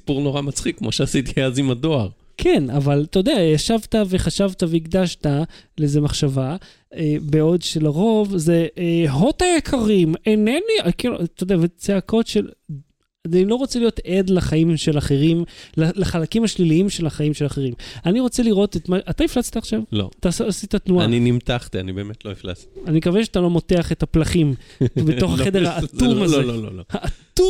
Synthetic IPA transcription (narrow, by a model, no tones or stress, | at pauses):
si̥puʁno̞ʁamat͡sχikːmo̰ʃeasit̪iazimado̞aʁ | kʰenavalt̪ood̪eajaʃavt̪aveχaʃavt̪aveiɡd̪aʃtalezemaχʃava | ebeo̞d̪ʃelaʁo̞vzeeɦo̞t̪ajekʰaʁimeneniakilṵt̪od̪eavet͡seakʰo̞tʃel | ailo̞ʁo̞t͡selijot̪ed̪laχaimʃe̞laχe̞ʁimlalaχalakimhaʃliliimʃe̞laχaimʃelaχeʁimaniʁo̞t͡seliʁo̞t̪et̪maʔat̪amiflat͡st̪aaχʃavlo̰t̪asːsit̪at̪nuaninimtaχtia̰nibeemet̪lomifla̰t͡stianimekaveʃeat̪alo̞mo̞t̪eaχetaplaχimbeto̞χaed̪eʁhaːtumazeoloohaʔat̪u